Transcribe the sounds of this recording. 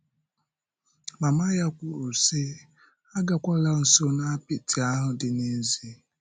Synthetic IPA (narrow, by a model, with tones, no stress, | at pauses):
ma˨ma˦ja˦kʷu˨ɾu˨si˦ | a˦ɡa˨kʷa˦la˦n̩˨so˦na˦pɪ˨ti˨a˦ɦʊ˨dɪ˨ne˦zi˦